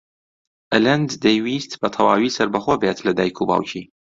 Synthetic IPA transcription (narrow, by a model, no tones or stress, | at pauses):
ʔɐlɐnd̪ːejwiːst̪bɐt̪ʰɐwaːwiːsɐɾbɐxobet̪lɐd̪aːjkʰuba̰ːwcʰiː